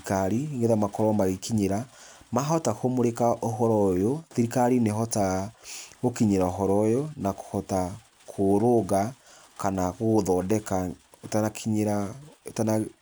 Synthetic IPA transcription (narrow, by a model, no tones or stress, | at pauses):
kaɾiŋɡeðamakɔɾamaɣekiɲeɾamaɦɔtakomoɾekaʔoɦɔɾɔjoðiɾikaɾineɦɔta | okiɲeɾaoɦɔɾɔjonako̥hɔta | kʰoɾoɡa | kanaɣoðɔdɛka | tanakiɲeɾatana